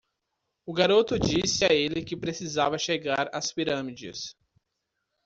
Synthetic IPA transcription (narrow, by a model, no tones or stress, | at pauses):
ʊɡaɾot̪ʊd͡ʒisɪaelɪkɪpɾesizavɐʃeɡaɾa̰spiɾɐ̃mid͡ʒɪ̰s